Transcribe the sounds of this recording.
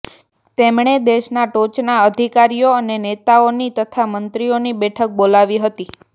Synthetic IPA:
t̪emɳ̃ed̪eʃnaʈot͡ʃnaəd̪ʱikaɾijoənenet̪aonit̪ət̪ʰamənt̪ɾionibɛʈʰək̚bolaʋiɦət̪i

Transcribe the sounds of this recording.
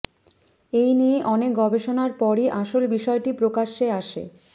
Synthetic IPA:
ejnieʔɔnek̚ɡɔbeʃonaɾpɔɾiʔaʃolbiʃɔeʈipɾokaʃeaʃḛ

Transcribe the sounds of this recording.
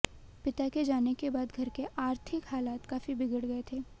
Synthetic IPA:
pɪt̪aked͡ʒaːnekebaːd̪ɡʱɐɾkeʔaːɾt̪ʰɪkɦaːlaːt̪kaːfibɪɡəɽɡɐet̪ʰeː

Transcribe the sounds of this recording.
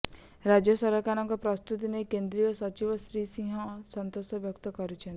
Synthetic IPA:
ɾad͡ʒjɔsɔɾɔkañɔŋkɔpɾɔst̪ut̪inekend̪ɾijɔsɔt͡ʃibɔsɾisĩɦɔ̃sɔnt̪osɔbjɔkt̪ɔkɔɾit͡ʃʰen

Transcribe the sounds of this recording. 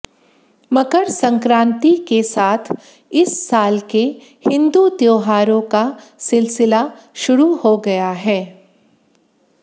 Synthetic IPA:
mɐkəɾsɐ̃ŋkɾãːnt̪ikesaːt̪ʰ | ɪsːaːlke | hɪ̃nd̪ut̪joːɦaːɾõka | sɪlsɪla | ʃʊɾuhoɡɐjaɦɛː

